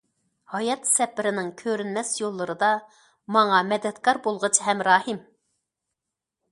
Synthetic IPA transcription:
hɑjɑt̪sɛpɪɾɪnɪŋkʲʰøɾynmɛsjolˠːɨɾɨd̪ɑ | mɑŋɑmɛd̪ɛt̪kʰɑɾbolˠʁət͡ʃʰɦɛmɾɑːhɨm

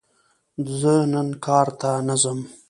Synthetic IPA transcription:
zənənkʰɑːɾt̪anazəm

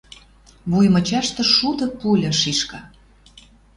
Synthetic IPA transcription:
βujmə̆t͡ɕɑʃt̪ɤ̆ʃud̪ɤ̆pulʲɤ̆ʃiʃkɑ

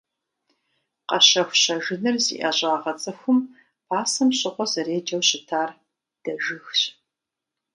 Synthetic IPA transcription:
qɐɕɐxʷɕɐʒɪnɨrzḭːʔɐʑʼaːʁɐt͡sʼɐxʷʊm | pʰaːsɐmɕʼɪqʷɔzɨreːd͡ʒɐwɕɪtʰaːr | d̥ɐʒɨxɕ

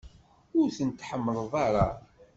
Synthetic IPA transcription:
ʊɾθənt̪ːħəmːəðˤðˤaɾa

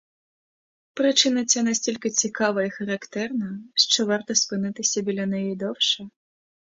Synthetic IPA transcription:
pɾɨt͡ʂɨnɐt͡sʲanasʲtʲilʲkʲit͡sʲikavɐixɐɾakt̪ɛrnɐʂt͡ʂɔvart̪ɐspɨnɨt̪ɨsʲɐbʲilʲɐnajɛjd̪ɔwʂɐ

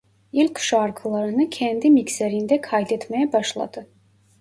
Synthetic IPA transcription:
ilʲkʲʰʃɑɾkʰɯlˠɑɾɯnɯkʰænd̪imiksæɾind̪ækʰɑjd̪et̪mæjæbɑʃlˠɑ̰d̪ɯ

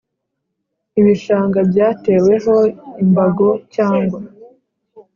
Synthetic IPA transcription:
iβiʃaːŋɡabjaːte̞we̞ɦo̞imbaɡo̞caːŋɡwa

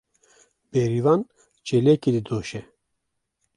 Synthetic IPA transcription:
bɛɾivɑn | t͡ʃelɛked̪id̪oːʃɛ

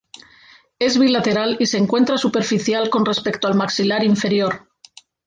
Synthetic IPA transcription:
e̞zβilat̪e̞ɾalise̞ŋkwe̞nt̪ɾasupe̞ɾfiθjalko̞nre̞spe̞kt̪oalmaksilaɾiɱfe̞ɾjo̞ɾ

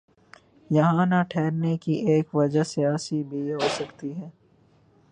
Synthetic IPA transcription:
jɐɦãnaʈʰɛːɾnekiʔeːkʋɐd͡ʒəsijaːsibʱiɦoːsɐkt̪iɦɛː

